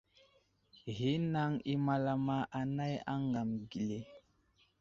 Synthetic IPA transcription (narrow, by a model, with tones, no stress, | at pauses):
ɣi˦na˦ŋi˦ma˨la˦ma˦ʔa˨na˦ja̰˦ŋɡa˨mɡi˨le˨